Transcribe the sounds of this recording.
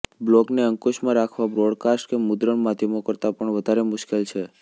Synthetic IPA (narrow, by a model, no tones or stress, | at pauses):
blɔkneəŋkoʃmãɾakʰʋabɾoɽkasʈkemʊd̪ɾəɳmad̪ʱjəmokəɾt̪apəɳʋəd̪ʱaɾemʊʃkelt͡ʃʰe